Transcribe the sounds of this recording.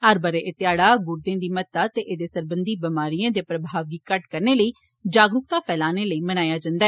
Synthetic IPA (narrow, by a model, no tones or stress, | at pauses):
əɾbəɾeːʔɪt̪jaːɽaːɡʊɾd̪ẽːd̪iːmət̪ːaːt̪eːʔeːd̪eːsəɾbənd̪iːbəmaːɾijãːd̪eːpɾəbʱaːʋɡ̪iːkəʈkəɾneːləiː | d͡ʒaːɡɾʊk̚t̪aːpʰɛːlaːneːləiːmənaːjaːd͡ʒãːnd̪aːɛː